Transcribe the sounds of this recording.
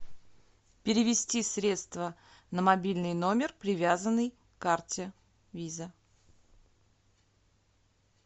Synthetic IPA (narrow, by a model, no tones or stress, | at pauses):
pʲɪɾʲɪvʲɪsʲtʲisɾʲe̞t̪st̪və | nəmɐbʲilʲnɨjnomʲɪrpɾʲɪvʲazənːɨj | kartʲɪ | vʲizə